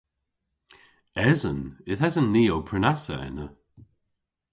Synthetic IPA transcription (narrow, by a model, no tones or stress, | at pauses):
ɛzənɪθɛzənːiːowpʰɹɪnasə̰ɛ̰nə